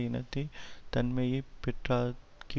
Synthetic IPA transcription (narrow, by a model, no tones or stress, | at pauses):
inɐt̪it̪ɐnmẽjipɪʈɾa | ki